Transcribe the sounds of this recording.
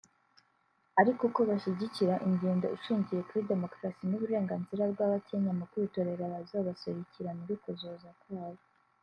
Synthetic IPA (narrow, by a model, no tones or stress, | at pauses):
aɾikuko̞βaʃiɟiciɾaʔiŋɡeːndoiʃiːɲɟije̞kuɾide̞mo̞kɾasinuβuɾe̞ːŋɡaːnziɾab̚ɡwaːβatieɲamakwiːto̞ɾe̞ɾaβazaβaseɾiciɾaniɾikuzoːzakwaːβo